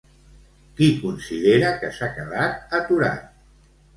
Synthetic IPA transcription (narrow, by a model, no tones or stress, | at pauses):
kikunsiðeɾəkəsakəðat̪̚ət̪uɾa̰t̪̚